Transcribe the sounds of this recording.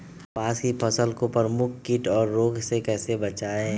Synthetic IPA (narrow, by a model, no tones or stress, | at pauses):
paːsipʰɐsəlkopəɾmʊkʰkɪʈɔːɾːoːɡsekɛːsebɐt͡ʃaːeɛ̃